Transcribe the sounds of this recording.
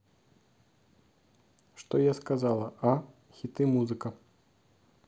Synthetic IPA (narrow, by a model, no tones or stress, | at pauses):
ʂt̪ɔjaskazalˠɐʔa | xʲit̪ɨmuzɨkɐ